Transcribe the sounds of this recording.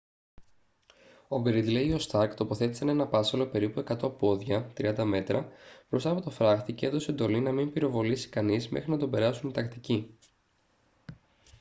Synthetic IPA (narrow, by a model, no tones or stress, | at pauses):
o̞ɡɾid̪leio̞st̪ɐɾkt̪o̞po̞θe̞t̪i̥sɐne̞nɐpɐsɐlo̞pe̞ɾipue̞kɐt̪o̞po̞ðʝɐt̪ɾiɐnd̪ɐme̞t̪ɾɐbɾo̞st̪ɐpo̞t̪o̞fɾɐxt̪iceeðo̞seend̪o̞linɐmimpiɾo̞vo̞lisi̥kɐnizmḛxɾinɐt̪o̞be̞ɾɐsunit̪ɐkt̪ici